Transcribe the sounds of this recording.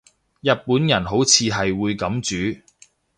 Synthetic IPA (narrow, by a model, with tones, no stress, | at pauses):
jɐ˨t̚puː˨˥njɐ˨˩nɦo˨˥wt͡sʰiː˧ɦɐ˨jwuː˨˧jkɐ˨˥mt͡ʃyː˨˥